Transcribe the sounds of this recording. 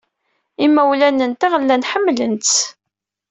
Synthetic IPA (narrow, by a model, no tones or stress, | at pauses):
imːæwlænənt̪æʁəlːænħəmːlənt̪